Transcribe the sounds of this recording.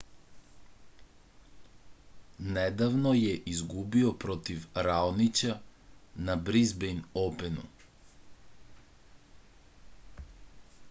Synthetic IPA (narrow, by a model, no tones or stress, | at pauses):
nɛd̪avnɔjɛʔizɡubiɔpɾɔt̪ifɾalnit͡ʃanabɾizbɛjnɔpɛnu